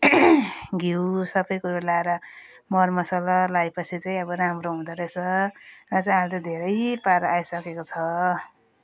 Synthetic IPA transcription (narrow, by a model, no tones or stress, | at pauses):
ɡʱiwsʌbʌjkuɾalaeɾʌ | mʌrmʌsʌlalajpʌt͡sʰit͡saĩʌbʌɾamɾoɦũd̪ʌɾesʰʌrʌt͡saj̃ɦalt̪ãd̪ʱeɾʌjpaɾʌajsʌkekot͡sʰʌ